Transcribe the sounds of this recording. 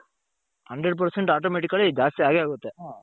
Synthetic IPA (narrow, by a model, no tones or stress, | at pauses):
hɐɳɖɾeɖp̬ɐɾseɳʈaːʈoːmeːʈ̬ikːɐɭed͡ʒaːst̪iaːɡeaːɡut̪ːe